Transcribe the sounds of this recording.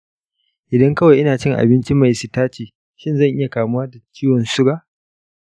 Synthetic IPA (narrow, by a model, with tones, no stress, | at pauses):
ʔɪ˨dɐ˦ŋkɐ˦wa˨jʔɪ˦naː˨t͡ʃɪ˦˨ŋʔa̰˨bɪ˦nt͡ʃi˦ma˨jsu˨taː˦t͡ʃiː˨ | ʃɪ˦nzɐ˦˨ŋʔɪ˦ja˨kaː˨mʊ˦waː˦da˨t͡ʃiː˦wɔ˨nsʊ˦ɾaː˦ʔ